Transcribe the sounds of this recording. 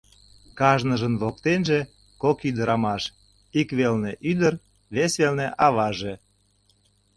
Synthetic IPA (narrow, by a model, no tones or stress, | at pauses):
kɑʒnəʒənβok̚t̪enʒe | kokyd̪əɾɑmɑʃ | ikβelneʔyd̪əɾ | βesβelneʔɑβɑʒe